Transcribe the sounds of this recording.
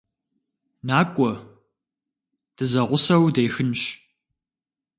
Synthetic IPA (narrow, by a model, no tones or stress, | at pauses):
naːkʷʼɔ | d̥ɨzɐʁʷʊsɐwdejxɨnɕ